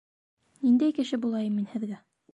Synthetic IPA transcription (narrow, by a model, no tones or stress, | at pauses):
nind̪æjkɘ̆ʃɘbulˠɑjɤmːinhɘ̆ðɡæ